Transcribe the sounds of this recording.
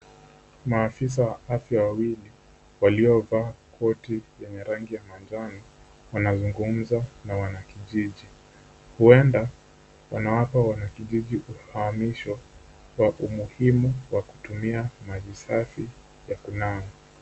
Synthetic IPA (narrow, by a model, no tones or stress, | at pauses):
maːfis̬awaafjawawili | waliɔvaːkʰɔtijɛɲɛɾaŋɡijamand͡ʒanɔ | wanazuŋɡum̩zanawanakiʄiʄi | huɛnda | wanawapawanakiʄiʄiʔuhaːmiʃɔ | waʔumuhimuwaku̥tumiamavisafi | jakunanɔ